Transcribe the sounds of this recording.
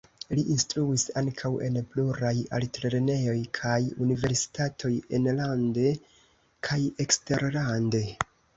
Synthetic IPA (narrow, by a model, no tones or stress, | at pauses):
liʔinstɾuisaŋkʰawʔe̞̰npluɾaja̰ltɾe̞ɾene̞jo̞jkʰajunive̞ɾsi̥tatʰo̞jenlande̞ | kʰajekste̞ɾlande̞